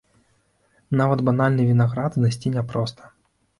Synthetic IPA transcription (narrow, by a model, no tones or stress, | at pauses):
navɐd̪banalʲnɨvʲinaɣɾad̪znasʲt͡sʲinʲɛpɾɔst̪ʰɐ̥